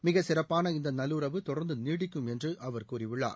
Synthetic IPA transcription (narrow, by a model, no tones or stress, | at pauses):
mɪɣɐsɪrɐpːaːnɐɪnd̪ɐnɐlːuɾɐʋɯt̪ɔɽɐɾnd̪ɯniːɽɪkːɯmɛndrɯʔɐʋɐɾkuːriʋɪɭːa̰ːɾ